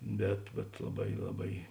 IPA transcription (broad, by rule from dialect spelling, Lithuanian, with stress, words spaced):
ˈbʲɛt bʲɛt lˠɐˈbɐɪ lˠɐˈbɐɪ